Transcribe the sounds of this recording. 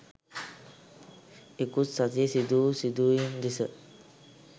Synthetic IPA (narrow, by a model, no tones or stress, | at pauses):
ekussat̪isid̪uːsid̪ujund̪isə